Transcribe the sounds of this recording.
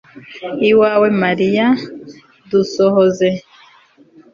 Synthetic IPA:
iwawemaɾija | dusohoze

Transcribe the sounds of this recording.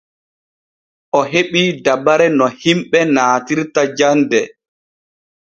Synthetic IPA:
ʔɔɦeɓiːdabaɾɛnɔhimɓɛnaːtiɾtad͡ʒandɛ

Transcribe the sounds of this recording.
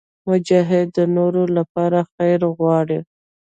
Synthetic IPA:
mʊd͡ʒɑɦɪd̪ːənoɾolapɑɾaxajɾɣwɑɽi

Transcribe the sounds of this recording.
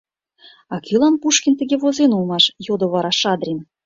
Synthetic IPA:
ɑkʲilˠɑnpuʃkʲint̪ə̆ɣʲeβozenulˠmɑʃjod̪ŏβɑɾɑʃɑd̪rʲim

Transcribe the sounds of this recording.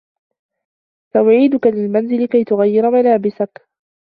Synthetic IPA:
faʔʊʕiːd̪ʊkalɪlmanzɪlɪkajt̪ʊɣajːɪɾamalaːbɪsak

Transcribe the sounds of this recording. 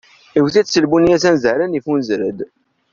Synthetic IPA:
iwθisəlbunijæsænzəɾənifunzɾəd̪

